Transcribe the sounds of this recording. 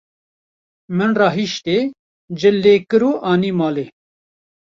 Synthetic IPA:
mɨnrɑːɦiʃt̪eː | d͡ʒɪleːkɨɾuːʔɑːniːmɑːleː

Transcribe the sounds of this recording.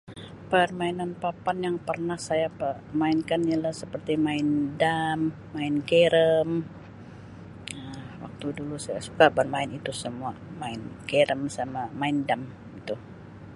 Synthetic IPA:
pərmainanpapanjaŋpərnahsajapə | maɪnkanialahsəpərt̪imaɪndamː | aɪnkeɾəm | əwa̰k̚t̪udulusaja̰su̥kabərmaɪnit̪usəmuamaɪnkeɾəmsamamaɪndam | it̪u

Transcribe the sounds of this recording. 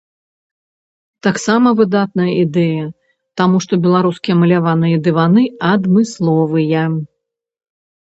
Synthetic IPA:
t̪aksamɐvɨd̪at̪nɐjɐid̪ɛjɐ | t̪amuʂt̪ɔbʲɛlˠaɾuskʲijɐmɐlʲavanɨjɐd̪ɨvanɨɐd̪mɨslˠɔvɨjɐ

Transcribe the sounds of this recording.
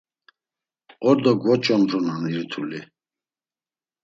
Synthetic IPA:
ɔɾd̪ɔɡwɔt͡ʃʼɔnɾɔnaniɾt̪ʰuli

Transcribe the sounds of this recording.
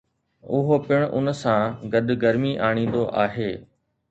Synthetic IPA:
ʊɦopɪɽ̃ʔʊ̰nsãːɡɐɗɡɐɾmiʔaːɽ̃ĩːn̆d̪oʔaːɦeː

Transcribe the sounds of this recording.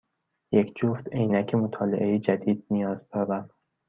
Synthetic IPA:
jecʰd͡ʒoːft̪ejnæcʰemot̪ʰɒːleʔejed͡ʒæd̪iːd̪̥̚nijɒːzd̪̥ɒːbæm

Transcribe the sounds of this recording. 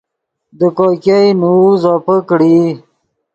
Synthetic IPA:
d̪əkokajnuzɔːpəkɽi

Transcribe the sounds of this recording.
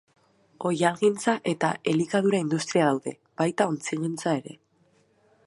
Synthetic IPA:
o̞jalɣint͡saʔe̞t̪ae̞likaðuɾaind̪ust̪ɾiaðawðe̞ | b̥ajt̪ao̞nt͡siɣint͡sae̞ɾe̞̰

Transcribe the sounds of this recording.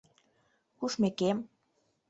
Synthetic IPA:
kuʃmekem

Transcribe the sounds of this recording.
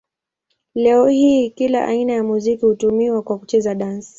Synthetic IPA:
lɛɔhiːkila̰ʔa̰inajamuzikihutumiwakwakut͡ʃɛzaɗansi̥

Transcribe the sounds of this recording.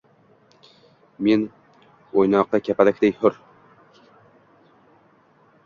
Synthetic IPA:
men | ojnɒqːɑkʲʰapʰalɪkʲd̪ejhʊɾ

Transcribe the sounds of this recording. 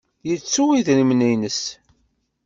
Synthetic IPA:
jət͡sːuwiðɾimnæjnəs

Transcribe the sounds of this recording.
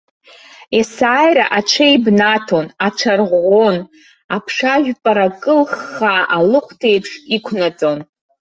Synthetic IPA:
esaːjɾa̰ʔat͡ʃʰajbnatʰo̞nat͡ʃʰarʁʷon | apʰʂaʒᶣpʼaɾakʼɨlχaʔalɨχʷtʰejpʰʂikʷʰnat͡sʼo̞n

